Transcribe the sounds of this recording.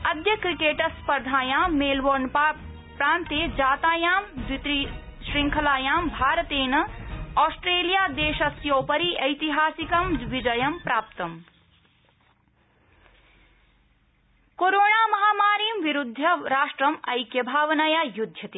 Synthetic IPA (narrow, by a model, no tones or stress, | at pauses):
ɐd̪jɐkɾikeːʈɐspɐɾd̪ʱaːjaːmːeːlʋoːɾnpa | pɾaːnt̪eːd͡ʒaːt̪aːjaːmd̪it̪ɾiʃɾĩŋkʰɐlaːjaːmbʱaːɾɐt̪eːnɐɔːsʈɾeːlijaːd̪eːʃɐsjoːpɐɾiʔɐjt̪iɦaːsikɐmʋid͡ʒɐjɐmpɾaːp̚t̪ɐm | koːɾoːɳaːmɐɦaːmaːɾiːmʋiɾud̪ʱːɐɾaːʃʈɾɐmɐjkjɐbʱaːʋɐnɐjaːjud̪ʱjɐt̪eː